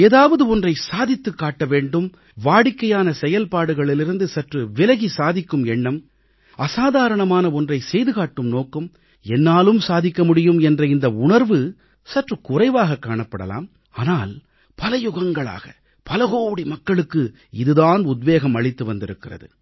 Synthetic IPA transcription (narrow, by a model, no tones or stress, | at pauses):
eːðaːʋɐðɯɔndrɐɪsaːðɪt̪ːɯkːaːʈːɐʋeːɳɖɯm | ʋaːɽɪkːɐjaːnɐsɛjɐlpaːɽɯɣɐɭɪlɪɾɯnd̪ɯsɐʈrɯʋɪlɐɣisaːðɪkːɯmɛɳːɐm | ɐsaːðaːɾɐɳɐmaːnɐɔndrɐɪsɛjðɯɣaːʈːɯmnoːkːɯm | ɛnːaːlɯmsaːðɪkːɐmʊɽɪjɯmɛndrɐɪnd̪ɐʊɳɐɾʋɯ | sɐʈrɯkʊrɐɪʋaːɣɐkːaːɳɐpːɐɽɐ̰la̰ːm | aːnaːl | pɐlɐjʊɣɐŋɡɐɭa̰ːɣɐ | pɐlɐɣoːʋɐɽimɐkːɐɭɯkːɯ | ɪðɯðaːnʊd̪ʋeːɣɐmɐɭɪt̪ːɯʋɐnd̪ɪɾɯkːɪrɐ̰ðɯ̰